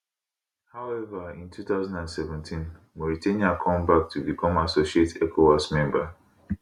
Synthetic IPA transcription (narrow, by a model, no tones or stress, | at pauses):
haʊɛvaĩntʰuθaʊzãndãndsɛvɛ̃ntʰĩn | mɔɹitʰeniakʰɔ̃mbak̚tʰubikʰɔ̃masoʃietɛkʰowasmɛ̃mba